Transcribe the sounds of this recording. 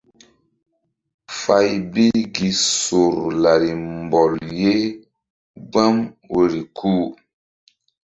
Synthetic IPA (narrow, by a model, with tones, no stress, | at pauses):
fa˦jbi˦ɡi˨so˨ɾla˨ɾi˨m˨bɔ˨lje˦ | ɡ͡ba˦mwe˨ɾi˨kʰuː˦